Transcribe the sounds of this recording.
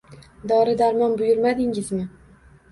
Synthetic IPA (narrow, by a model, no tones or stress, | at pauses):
d̪ɒɾɪd̪aɾmɒnbʊjʊɾmad̪ɪŋɪzmɪ